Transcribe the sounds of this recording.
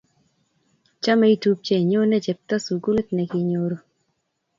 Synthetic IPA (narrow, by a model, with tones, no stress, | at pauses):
t͡ʃa˦mɛ˦i˦tu˦p̚t͡ʃe˦˨ɲo˦nɛ˦d͡ʒɛ˨p̚t̪a˦su˨ɡu˦le˦t̪nɛ˨kɪ˨ɲoɾo˦